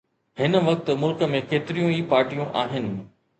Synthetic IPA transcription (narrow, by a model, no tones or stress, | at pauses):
ɦɪnə̆ʋɐk̚t̪̆mʊlkəmẽkeːt̪ɪɾijũiːpaːɾʈijũʔaːɦɪnɪ̆